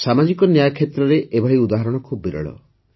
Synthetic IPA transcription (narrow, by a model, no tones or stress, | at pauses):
samad͡ʒikɔnjajkʰet̪ɾɔɾeʔebʱaɽiud̪aɦɔɾɔɽ̃ɔkʰubːiɾɔ̰ɭɔ̰